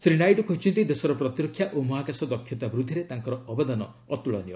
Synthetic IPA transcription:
sɾinajʈɔkʰɔɦit͡ʃʰɔnt̪id̪esɔɾɔpɾɔt̪ɾɔkʰjaʔomɔɦakasɔd̪ɔkʰːjɔt̪abɾud̪ʱːiɾet̪aŋkɔɾɔɔbad̪anɔ | ɔt̪uɭɔ̰njɔ

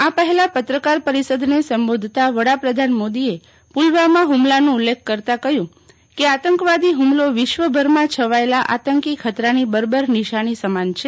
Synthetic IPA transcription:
apəɦɛlapət̪ɾəkaɾpəɾisəd̪ʱnesəmbod̪ʱt̪aʋəɽapɾəd̪ʱanmod̪ie | pulʋamãɦumlanũulːekʰːəɾt̪akəjũ | keat̪əŋkʋad̪iɦumloʋɪʃʋəbʱəɾmãt͡ʃʰəʋaelaʔa̰t̪əŋkikʰət̪ɾanibəɾbəɾniʃaɽ̃isəmant͡ʃʰe

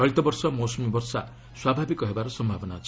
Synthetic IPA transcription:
ɔɭt̪ɔbɔɾsɔmosmibɔɾsa̰ | swabʱabikɔɦebaɾɔsɔmbʱabɔnat͡ʃʰ

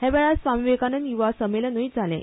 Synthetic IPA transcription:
hɛ̃ʋɛɭasʋamiʋekanənjuʋasəmelənəid͡zʱalḛ̃

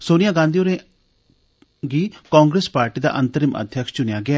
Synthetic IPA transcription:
soːnɪjãːɡãːnd̪ijoːɾẽː | ɡiːkãːŋɡɾeːspaːɾʈiːd̪a̰ːʔənt̪əɾiːmə̰d̪ʱjəkʃt͡ʃʊnɪjaːɡɪaː

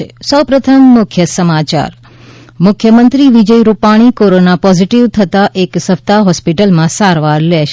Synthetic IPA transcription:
esəwpɾət̪ʰəmːʊkʰjəsəmat͡ʃa̰ɾ | mʊkʰjəmənt̪ɾiʋid͡ʒəjɾupaɽ̃ikoɾonapɔziʈiʋt̪ʰət̪aʔeksəft̪aɦɔspiʈəlmãsaɾʋaɾlɛʃ

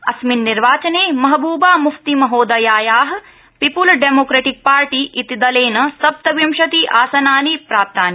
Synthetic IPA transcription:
ɐsminːiɾʋaːt͡ʃɐneːmɐɦɐbuːbaːmuft̪imɐɦoːd̪ɐjaːjaːɦɐ | pipulɖemoːkɾeʈik̚paːɾʈiːʔit̪id̪ɐleːnɐsɐp̚t̪ɐʋjɐmʃɐt̪iːʔaːsɐnaːnipɾaːp̚t̪aːni

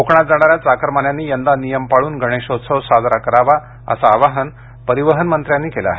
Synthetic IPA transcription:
okɳat̪̚d͡zaɽ̃aɾjat͡sakɾmanjanːiːjənd̪anijəmpaɭuːnɡʱəɽ̃eɕot̪səwsad̪ɾakəɾaʋa | ə̰saːʋaɦən | pəɾiʋəɦənmənt̪ɾjanːiːkelaa̰ːɦe

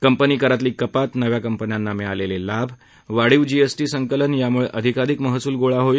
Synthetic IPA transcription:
kəmpəniːkəɾat̪liːkəpat̪nəʋjakəmpənjanːameɭalelelabʱ | ʋaɽiʋd͡ʑiesʈiːsəŋkələnjamuɭeʔəd̪ʱikaɾikməɦsuːlɡoɭaɦoi

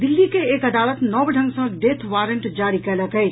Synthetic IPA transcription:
d̪ilːikeːkəd̪aːlət̪nɔbɖʱə̃ŋɡsə̃ɖet̪ʰʋaɾəɳʈd͡ʒaɾikɛləkɛt͡ʃ

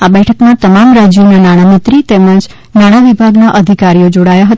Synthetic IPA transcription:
abɛʈʰəkmãt̪əmamɾad͡ʒjonanaɽ̃amɪt̪ɾit̪ɛməd͡ʒ | naɽ̃aʋibʱaɡnaʔəd̪ʱikaɾijod͡ʒoɽajaɦət̪

